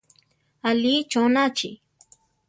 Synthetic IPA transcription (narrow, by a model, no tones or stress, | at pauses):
ɐliːt͡ʃoːnat͡ʃḭ